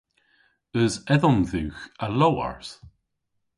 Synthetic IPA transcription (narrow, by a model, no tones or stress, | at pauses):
əzɛðɔmðʉːxəlowa̰ɹs